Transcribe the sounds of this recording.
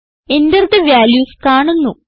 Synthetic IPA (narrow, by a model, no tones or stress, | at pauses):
e̞nd̪ɐrt̪ɨʋjaːljuːskaːɳunːu